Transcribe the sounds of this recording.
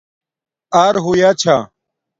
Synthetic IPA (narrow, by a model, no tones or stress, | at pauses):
aːɾɦoːjaːt͡ɕʰaː